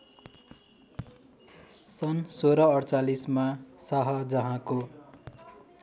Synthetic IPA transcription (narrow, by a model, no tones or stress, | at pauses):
sʌnsoɾʌʌɽt͡salismasaɦʌd͡zʌɦãko